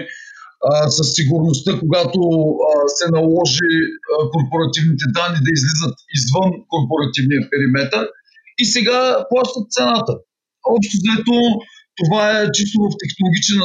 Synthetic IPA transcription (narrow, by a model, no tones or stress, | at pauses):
sɐsːiɡʊɾnost̪ɤkoɡat̪osɛnɐlˠɔʒiəkoɾpoɾɐt̪ivnit̪ɛd̪anːid̪ɐizlizət̪izvənkoɾpoɾɐt̪ivnijəpɛɾimɛt̪əɾ | isɛɡaplˠaʃt̪ət̪̚t̪sɛnat̪ə | ɔpʃt̪ozɐɛt̪ot̪ovaɛt͡ʃist̪ovɐft̪ɛxnolˠoɡʲit͡ʃɛn